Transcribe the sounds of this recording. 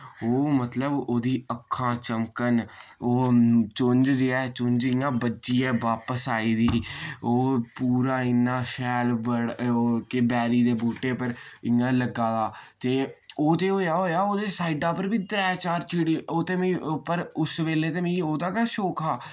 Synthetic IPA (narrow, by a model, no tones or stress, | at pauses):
oːmət̪ləboːd̪iːəkʰːãːt͡ʃəmkənoːt͡ʃʊɲd͡ʒd͡ʒeːɛːt͡ʃʊnd͡ʒɪjãːbət͡ʃiːɛːʋaːpəsaːiːd̪iːoːpuːɾaːɪnːãːʃɛːlbəɽːkebɛːɾiːd̪eːbuːʈeːpəɾɪːãːləɡːaːd̪aːt̪eːoːt̪eːɦoːjaːɦoːjaːoːd̪eːsaːiɖãːpəɾʋiːd̪ɾɛːt͡ʃaːɾt͡ʃʰɪɽiːoːt̪eːmẽpəɾʊsʋeːleːt̪eːmẽoːd̪aːkaːʃoːkʰaː